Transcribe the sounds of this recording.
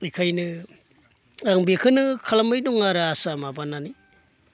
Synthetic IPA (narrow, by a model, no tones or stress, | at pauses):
ikʰajnɯ | aŋbikʰɯnɯkʰalamajduŋaɾaasamabanani